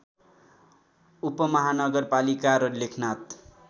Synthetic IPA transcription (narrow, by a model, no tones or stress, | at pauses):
upʌmʌɦanʌɡʌrpalikaɾʌlekʰnat̪